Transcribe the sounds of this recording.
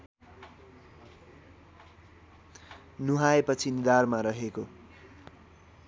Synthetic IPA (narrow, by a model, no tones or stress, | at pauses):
nuɦaepʌt͡sʰinid̪armaɾʌɦeko